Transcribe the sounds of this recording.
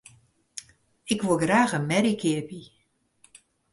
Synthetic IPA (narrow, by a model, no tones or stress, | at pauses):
ɪkʋolˠɡraːxənmɛɾikʰɪərbi